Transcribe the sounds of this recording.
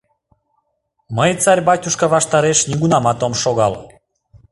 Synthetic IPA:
məjt͡sɑɾʲbɑtʲuʃkɑβɑʃt̪ɑɾeʃnʲiɡunɑmɑt̪omʃoɣɑl

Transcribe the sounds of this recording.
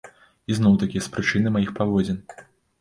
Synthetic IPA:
iznɔwt̪akʲiɐspɾɨt͡ʂɨnɨmajixpavɔd͡zʲɛn

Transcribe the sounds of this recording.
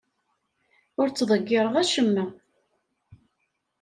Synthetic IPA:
ʊɾt͡sːðˤəɡːɪɾˤəʁæʃəmːə

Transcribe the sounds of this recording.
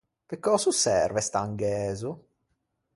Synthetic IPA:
pekːɔsusɛ̰rvɛst̪aŋɡɛːzu

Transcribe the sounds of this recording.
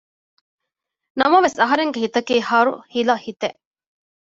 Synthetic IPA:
nɐmɐʋesɐɦɐɾeŋɡeɦit̪ɐkiːhɐːɾuhilɐhit̪eʔ

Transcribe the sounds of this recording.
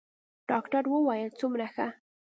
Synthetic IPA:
ɖ̥ɑkʈaɾwəwɑjəlt͡sumɾaxa

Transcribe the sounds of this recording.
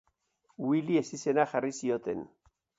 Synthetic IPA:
wilie̞sise̞naxarisio̞t̪e̞̰n

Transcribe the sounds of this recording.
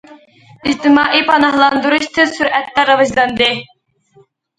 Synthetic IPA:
id͡ʒt̪ɪmɑːʔipʰɑnɑhlˠɑnd̪uɾuʃt̪ʰɨsuɾʔɛt̪ːɛɾɑvɑʒlˠɑnd̪ɨ

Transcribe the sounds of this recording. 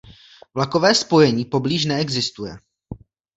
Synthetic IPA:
vlakovɛːspo̞jɛɲiːpo̞bliːʃ̬nɛɛɡzɪst̪ujɛ̰

